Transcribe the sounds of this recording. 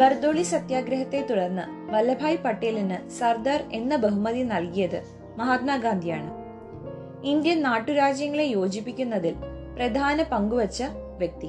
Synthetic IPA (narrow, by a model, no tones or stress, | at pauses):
bɐrd̪oːɭisɐt̪jaːɡɾɐɦɐt̪ːe̞t̪uɽɐrnːɨbɐlːɐbʱaːjpɐʈːejlinɨsɐrd̪aːre̞nːɐbɐɦumɐðinɐlkijɐðɨ | mɐɦaːt̪̚maːɡaːnd̪ʱijaːɳɨ | ind̪jɐnnaːʈːuɾaːd͡ʑjɐŋːɐɭe̞jo̞ːd͡ʑipːikʲːunːɐðilprɐd̪ʱaːnɐpɐŋɡuʋɐt͡ɕːɐ | ʋjɐk̚t̪i